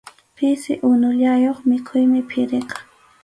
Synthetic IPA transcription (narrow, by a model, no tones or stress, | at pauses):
pɪsɪʔʊnʊʎajoχmɪkʰʊjmɪpʰɪɾeqɑ̥